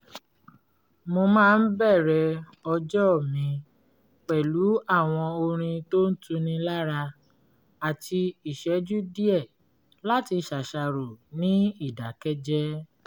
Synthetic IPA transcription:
mo˧mãː˦˧n̩˦bɛ˦˨ɾɛ˧ɔ˧d͡ʒɔ˦˨mĩ˨˧ | k͡pɛ˨lu˨˦a˦˨w̃ɔ̃˧o˧ɾ̃ĩ˧to˦n̩˦tũ˧nĩ˧la˦ɾa˧ | a˨tʰi˧i˨ʃɛ˨˦d͡ʒu˦di˦ɛ˦˨ | la˦ti˧ʃa˨ʃa˧ɾo˨nĩ˨˦i˦˨da˨kɛ˦d͡ʒɛ˦

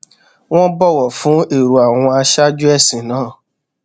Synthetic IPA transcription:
w̃ɔ̃˦bɔ˦˨wɔ˨fũ˨˦e˦˨ɾu˨a˨w̃ɔ̃˧a˧ʃa˦d͡ʒu˦ɛ˦˨sĩ˨nãː˨˦˨

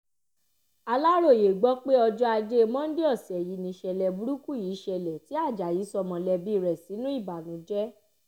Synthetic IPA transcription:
a˧la˦ɾo˦˨je˨ɡ͡bɔ˨˦k͡pe˦ɔ˧d͡ʒɔ˦a˧d͡ʒe˦˧mɔ̃˦n̩˦de˦ɔ˦˨si˨ɛ˨ji˨˦nĩ˧ʃɛ˧lɛ˨bu˨˦ɾu˦ku˦˨ji˨˦ʃɛ˧lɛ˨ti˨˦a˦˨d͡ʒa˨ji˨˦sɔ˧mɔ̃˧lɛ˧bi˦˧ɾɛ˨si˨˦nũ˦i˦˨ba˨nũ˨˦d͡ʒɛ˦

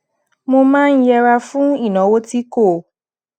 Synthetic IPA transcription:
mo˧mãː˦n̩˦jɛ˧ɾa˧fũ˦i˦˨nɔ̃˨˦wo˦ti˦ko˦˨

